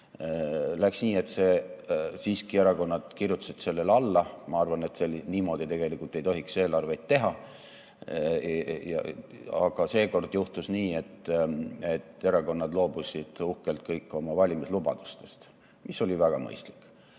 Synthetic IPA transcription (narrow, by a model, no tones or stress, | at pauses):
læksniːe̞t̪se̞siːskie̞ɾɑko̞nːɑd̪̥kirjut̪set̪se̞lːe̞lɑlːɑmɑɑrvɑne̞t̪seliniːmo̞ːd̪̥it̪e̞ɡ̥elikult̪ːe̞jt̪o̞ɦikse̞ːlɑrvejt̪t̪ːe̞ɦɑ | jɑ̰ɑ̰ɡ̥ɑse̞ːko̞rd̪̥juht̪usniːe̞t̪ː | e̞t̪ːe̞ɾɑko̞nːɑd̪lo̞ːb̥usʲid̪̥uhkelt̪̚kɤjkːˑo̞mɑvɑlʲimislub̥ɑ̰d̪̥ust̪e̞̥st̪ | misːo̞lʲivæɡ̥ɑmɤ̰jst̪li̥kːˑ